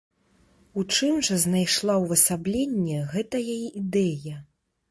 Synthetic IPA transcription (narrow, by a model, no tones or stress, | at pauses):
ut͡ʂɨmʐɐznajʂlˠawvɐsablʲenʲːɛɣɛt̪ɐjaiʔid̪ɛjɐ